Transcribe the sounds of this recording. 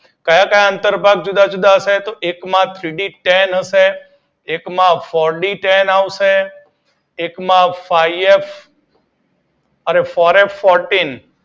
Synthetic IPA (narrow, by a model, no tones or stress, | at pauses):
kajãkajãənt̪əɾbʱaɡ̚d͡ʒud̪ad͡ʒud̪aɦəset̪oʔekmãt̪ʰɾiɖiʈenɦəʃeː | kmãfɔɾɖiʈenaʋʃe | ekmãfajef | əɾefɔɾefːɔɾʈin